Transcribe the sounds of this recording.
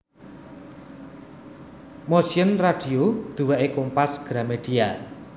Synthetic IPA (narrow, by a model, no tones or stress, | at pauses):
mosiənraɖ̥i̤od̪̥uwaʔekompasɡ̥ɾameɖ̥ia